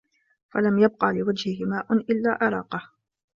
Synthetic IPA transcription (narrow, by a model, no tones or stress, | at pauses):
falamjab̚qɑːlɪwad͡ʒhɪhɪmaːʔʊnʔɪlːaːʔɪɾˤɑ̰ːqɑh